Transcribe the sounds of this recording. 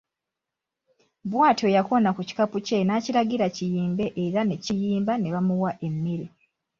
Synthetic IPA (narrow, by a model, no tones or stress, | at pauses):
βwaːto̞jako̞nakuci̥kapuce̞nacilaɡiɾacijiːmbe̞ʔeɾane̞cijiːmbane̞βamuwaʔe̞mːiɾi